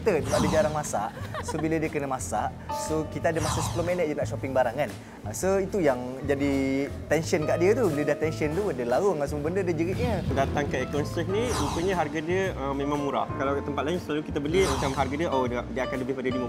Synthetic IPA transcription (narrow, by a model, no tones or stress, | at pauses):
t̪ət̪adəd͡ʒaɾaŋmasa̰ʔsobilədiəkənəmasaʔ | sokit̪adəmasasə̥pəlomɛnət̪̚jənaʔʃopɪŋbaɾaŋkan | əsoit̪ujaŋd͡ʒadi | t̪ɛnʃənkaʔdiət̪ubilədaht̪ɛnʃənt̪udiəlaɣuŋans̬əmubəndədəd͡ʒəɾɪʔ̪̚ɲədat̪aŋkəɛkɔnsək̚niut̪uɲəɦarɡadiəəmẽmãŋmuɾa̰hkalawt̪əmpat̪̚lainsəlalukit̪abəlimat͡ʃamɦarɡadiəʔodadiəakanləbɪhpadədimu